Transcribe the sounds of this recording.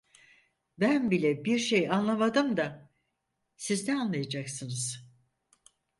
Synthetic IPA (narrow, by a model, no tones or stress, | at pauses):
bænbilʲɛbiɾʃejanlˠamad̪ɯmd̪a | sizd̪ɛanlˠajad͡ʒaksɯnɯz̥